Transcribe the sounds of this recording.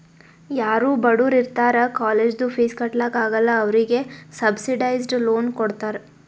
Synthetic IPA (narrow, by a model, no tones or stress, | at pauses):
jaːɾuːbɐɽuːɾiɾt̪aːɾɐkaːleːd͡ʒd̪upʰiːskɐʈlɐkaːɡɐlːɐːʋɾiɡe̞sɐbsiɖɐjzɖlo̞ːnkoɽt̪aːɾe